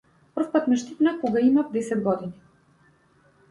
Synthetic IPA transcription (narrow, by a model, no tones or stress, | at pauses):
pr̩fpat̪mɛʃt̪it̪nakɔɡaimafd̪ɛsɛd̪̚ɡɔd̪ini